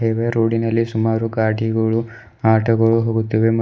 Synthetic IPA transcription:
eːʋeɾoːɽinɐlːisumaːɾuɡaːʈiɡɐɭu | aːʈʰɐɡɐɭuɦoːɡut̪ːiʋemɐ

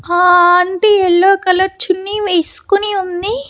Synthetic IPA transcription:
aːɐɳʈeːɛɭːoːkɐlɐɾt͡ʃunːiːʋeːsu̥kuniund̪i

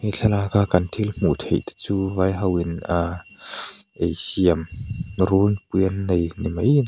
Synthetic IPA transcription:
iɬʰɐlaːkakɐnt̪ʰilm̥ut̪hejt̪t͡suːvajɦɐwina | ʔejsiəmɾunpiənːɐjnimɐj

